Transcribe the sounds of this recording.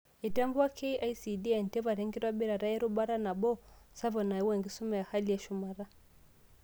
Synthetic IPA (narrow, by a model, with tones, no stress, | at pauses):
i˨ta˦mbu˦wa˦kʰɛ˦iʔa˦isi˨di˦ɛ˨n˨tɛ˦va˨ɾɛ˦ŋɡi˦ɾwa˦ɓi˦ɾa˨ɾa˦ɛ˦ɾu˦ɓa˦ɾa˦na˨ɓɔ˦sa˦vɔ˨na˨i˦wɛ˨ŋɡi˦su˦mɛ˦˨ja˨ha˦li˨a˦ʃu˨ma˨ɾa˦